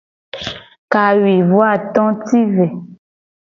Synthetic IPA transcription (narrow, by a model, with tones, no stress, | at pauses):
ka˨ɥi˨vwa˦˨t̪ɔ̃˦ti˦ve˨